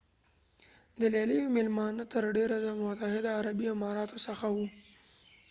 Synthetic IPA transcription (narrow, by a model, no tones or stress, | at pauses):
d̪əlɑləjomɪlmɑnət̪əɾɖeɾad̪əmʊt̪ahɪd̪aːɾabiɪmɑɾɑt̪osəxawu